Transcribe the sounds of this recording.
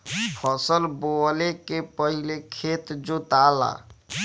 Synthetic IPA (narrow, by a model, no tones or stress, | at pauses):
pʰəsəlbolekepəɦilekʰet̪d͡ʒot̪ala̰